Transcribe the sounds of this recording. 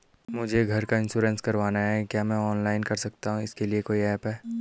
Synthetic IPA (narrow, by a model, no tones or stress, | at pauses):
mʊd͡ʒʱeɡʱɐɾkaɪ̃nʃuːɾə̃nskɐɾʋaːnaɦɛkjaːmɛ̃ɔːnlaːɪnkɐɾsɐk̚t̪aɦũɪskeliekoːiɛːpɦɛː